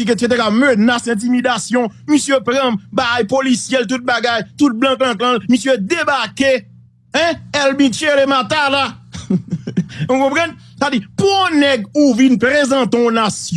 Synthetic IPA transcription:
iket̪et̪̬ɛkamønasɛ̃t̪̬imid̪asjɔ̃misjøpɾɐ̃mbajpolisjɛlt̪ut̪̚baɡajt̪ut̪̚blãk̬lãklãlmisjød̪ebake | ɛ̃ɛlbĩt͡ʃelemat̪ala | ũkɔ̃pʁɛ̃n | kadipuɔ̃nɛɡuvinpʁezɑ̃t̪eɔ̃nasj

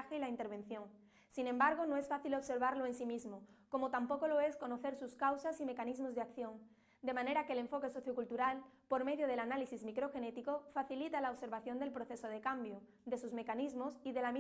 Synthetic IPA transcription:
xeilaint̪e̞ɾβẽ̞n̟θjo̞ŋ | sinẽ̞mbaɾɣ̞onoe̞sfaθilo̞βse̞ɾβ̞aɾloe̞nsimizmoko̞mot̪ampo̞ko̞lo̞e̞sko̞noθe̞ɾsuskawsasime̞kanizmo̞zðeakθjo̞ŋ | d̪e̞mãne̞ɾakeːle̞ɱfo̞ke̞so̞θjo̞kult̪uɾalpo̞ɾme̞ðjoð̞e̞lanalisizmikɾo̞xe̞ne̞t̪iko̞faθilit̪alaoβse̞ɾβaθjo̞nd̪e̞lpɾoθe̞soð̞e̞kambjo | ðe̞suzme̞kanizmo̞siðe̞lami

